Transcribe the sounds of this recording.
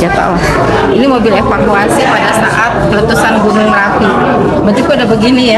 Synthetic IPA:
ak̪a̰wa | inimobilefakuasipadasa̰ʔat̪̚kələt̪usanɡunʊŋrafi | mət̪ukuadabəɡinija

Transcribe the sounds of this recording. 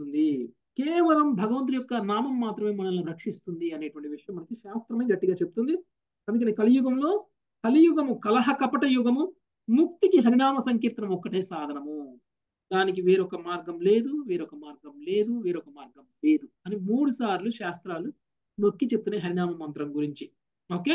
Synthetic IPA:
und̪i | kɛːʋɐlɐmbʱɐɡɐʋɐnt̪ijɔkːɐnaːmɐmːaːt̪ɾɐme̞ːmɐnɐlnuɾɐkʂist̪und̪iɐne̞ːʈuʋɐɳʈiʋiʂɐjɐmːɐnɐkiʃaːst̪ɾɐmɐːɡɐʈːiɡaːt͡ʃebut̪und̪i | ɐnd̪kɐneːkɐlijuɡɐmlo̞ː | kɐlijuɡɐmukɐlɐɦɐkɐpɐʈɐjuɡɐmu | muk̚t̪ikiɦɐɾiɳaːmɐsɐŋk̬iːɾt̪ɾɐmɔkːɐʈe̞ːsaːd̪ʱɐnɐmu | d̪aːnik̬iʋeːɾɔkɐmaːɾɡɐmle̞ːd̪uʋeːɾɔkɐmaːɾɡɐmle̞ːd̪uʋiːɾɔkɐmaːɾɡɐmle̞ːd̪uɐnimuːɽusaːɾluʃaːst̪ɾaːlu | no̞kːit͡ʃeput̪unːeːɦɐɾiɳaːmɐmɐnt̪ɾɐmɡuɾiɲt͡ʃi | oːkeː

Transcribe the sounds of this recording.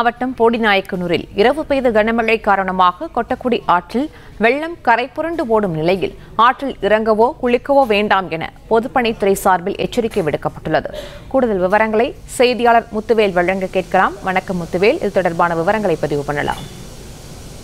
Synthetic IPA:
naːʋɐʈːɐmpoːɽinaːjɐkːɯnuːɾɪ̰lɪɾɐʋɯpejðɯɡɐnɐmɐɻɐɪkːaːɾɐɳɐmaːɣɐkɔʈːɐkːuːɽiʔaːʈrɪl | ʋɛɭːɐmkɐɾɐɪpːɔɾɐɳɖɯpoːɽɯmnɪlɐjɪ̰l | aːʈrɪlɪɾɐŋɡɐʋoːkʊɭɪkːɐʋoːʋeːɳɖaːmɛnɐ̰pɔðɯpːɐɳɪt̪ːʊɾɐɪsaːɾbɪlʔɛt͡ʃːɐɾɪkːɐɪʋɪɽɯkːɐpːɐʈːɯɭːɐðɯ̰kuːɽɯðɐlʋɪʋɐɾɐŋɡɐɭɐɪ | sɛjðɪjaːɭɐɾmʊt̪ːɯʋeːlʋɐɻːɐŋɡɐkeːʈ̚kɐɭaːmʋɐnɐkːɐmːʊt̪ːɯʋeːlɪ̰ðɯt̪ːɔɽɐɾbaːnɐʋɪʋɐɾɐŋɡɐɭɐɪpːɐðɪʋɯpɐnɐla̰ːm

